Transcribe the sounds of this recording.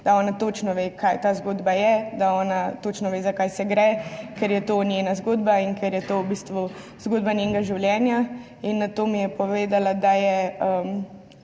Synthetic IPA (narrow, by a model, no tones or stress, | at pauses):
d̪̥aɔːnat̪ot͡ʃnɔʋekʰajt̪aːzɡoːd̪bajɛd̪aɔːnat̪ot͡ʃnɔʋeːzakajsɛɡɾɛkɛɾjɛt̪onjenazɡoːd̪bainkɛɾjɛt̪owbist̪ʋu | zɡoːd̪̚banʲjeŋɡaʒiwljɛːnja | inːat̪oːmijɛpɔʋeːd̪alad̪ajɛəm